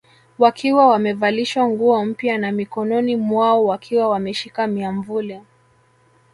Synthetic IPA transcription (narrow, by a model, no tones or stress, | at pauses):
wakʰiwawamɛvaliʃwaŋɡuɔm̩pjanamikɔnɔnimwaɔwakʰiwawamɛʃikamiaɱvulɛ